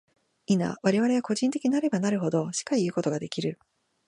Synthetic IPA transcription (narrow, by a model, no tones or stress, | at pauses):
ina̰βaɾe̞βaɾe̞βako̞ʑĩnt̪ekʲiɲ̟iaɾe̞banaɾɯ̟ɦo̞d̪o̞ɕi̥kaiɯ̟ːko̞t̪o̞ɡad̪e̞kʲiɾɯ̟